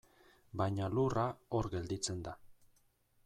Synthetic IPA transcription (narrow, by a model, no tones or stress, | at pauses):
bajɲalurao̞ɾɡe̞ld̪it͡se̞nd̪a